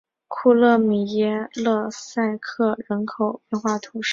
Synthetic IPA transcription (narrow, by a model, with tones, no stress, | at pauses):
kʰu˥˧lɤ˥˩mi˨˩jɛ˧˥lɤ˥˧sa˥˧ɪkʰɤ˥˩ɻə˧˥nkʰo˨˩ʊpjɛ˥˧nxwa˥˩t̪ʰu˧˥ʂ